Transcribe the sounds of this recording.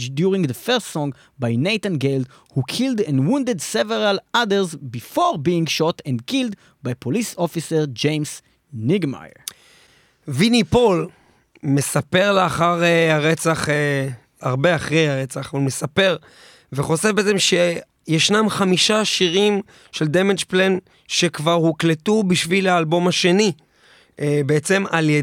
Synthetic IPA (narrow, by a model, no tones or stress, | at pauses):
d͡ʒdjuʁĩŋðəfɛʁstsɔ̃ŋɡ | bajnejt̪ãnɡeld | hukʰildɛ̃ndwũndedseveʁaladəʁzbifoʁbĩːŋʃɔtɛ̃ndkild | bajpʰolisofiseʁd͡ʒẽjms | niɡma̰j̰ | vinipol | mesape̞ʁleaχaʁeaʁet͡saχe | aʁbe̞aχʁejhaʁe̞t͡saχavalme̞sape̞ʁ | veχo̞sefbeet͡semʃe̞ | jeʃnamχamiʃaʃiʁim | ʃe̞ld̪emed͡ʒplen | ʃekvaʁhukletubiʃvilaːlbo̞maʃe̞ni | ʔebeet͡se̞malje